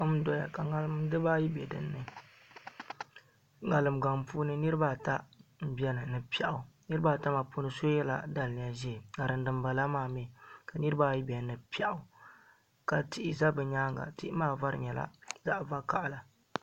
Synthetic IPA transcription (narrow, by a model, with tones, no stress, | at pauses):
a˦m˦dɔ˦ja˨ka˨ŋa˨lɨ˦mdɨ˦ba˦ji˦bɛ˨dɨ̰˨nːɨ˦ | ŋa˨lɨ˨mɡa˨ŋpuː˦nɨ˦nɨ˦ɾɨ˦ba˦˨ta˦m̩˦bɛ˦nɨ˨nɨ˨pi˦ɛ˦ʔa˨nɨ˦ɾɨ˦baː˦˨ta˦ma˨pu˦nɨ˦so˦jɛ˦la̰˨da˨lni˨ja˦ʒɛ˦˨ŋa˨ɾɨ˨n˦dɨ˨mba˨la˦maː˦˨mɛ˦˨ka˨nɨ˦ɾɨ˦baː˦ji˦bɛ˨nɨ˨pi˦ɛ˦ʔʊ˨ | ka˨ti˦ʔɪ˦za˦bɨ˨ɲaː˦ŋɡa̰˨ti˦ʔɪ˦maː˦va˦ɾɨ̰˨ɲɛ˨la̰˦za˦ʔva˦ka˨ʔla˨